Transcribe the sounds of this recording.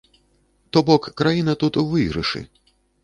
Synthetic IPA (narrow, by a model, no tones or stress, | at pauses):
t̪ɔbɔkːɾajinɐt̪ut̪uvɨɣɾɨ̰ʂɨ̰